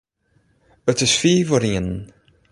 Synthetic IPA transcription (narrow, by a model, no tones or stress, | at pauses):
ətɪsfiːvɔɾiən